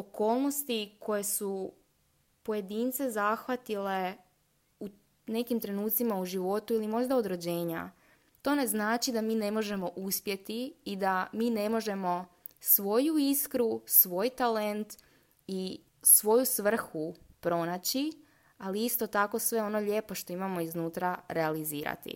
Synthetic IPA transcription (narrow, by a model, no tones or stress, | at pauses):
oko̞ːlˠno̞st̪ikʰo̞je̞su | poje̞d̪iːnt̪se̞zaxʋat̪ile̞ | u | ne̞kimt̪ɾe̞nuːt̪simauʒiʋo̞t̪uilimo̞ʒd̪ao̞d̪ɾod͡ʑe̞ːɲa̰ | t̪o̞ːne̞znaːt͡ʃid̪amiːne̞mo̞ʒe̞mo̞ʔuspje̞t̪iːd̪amiːne̞mo̞ʒe̞mo̞ | sʋo̞juiskɾusʋo̞jt̪ale̞nt̪ | i | sʋo̞jusʋr̩xupɾo̞nat͡ɕi | aliist̪o̞t̪ako̞sʋe̞o̞no̞ʎe̞po̞ʃt̪o̞imamo̞iznuːt̪ɾaɾealiziːɾa̰t̪ḭ